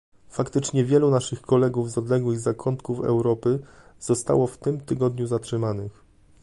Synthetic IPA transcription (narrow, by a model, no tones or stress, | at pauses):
fakt̪ɘt͡ʂɲɛvʲjɛlunaʂɘxkɔlɛɡuvzɔd̪lɛɡwɘɣzakʰɔnt̪kufɛ̰wɾɔpɘz̥ɔst̪a̰wɔft̪ɘmt̪ɘɡɔd̪ɲuzatʂɘmanɘx